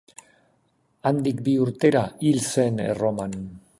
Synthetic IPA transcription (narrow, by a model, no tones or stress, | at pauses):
and̪ikbiuɾt̪e̞ɾailse̞nḛro̞man